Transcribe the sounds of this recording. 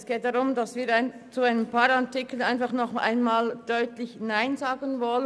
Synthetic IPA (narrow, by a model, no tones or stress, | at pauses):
sɡ̥eːt̚d̥aʁʊmdasviːɾaɪn | t͡suaɪnəmpʰaːɾatɪkl̩aɪnfɑχnɔχʔa̰ɪnmaːld̥œʏtlɪçnaɪnzaːɡənvɔlə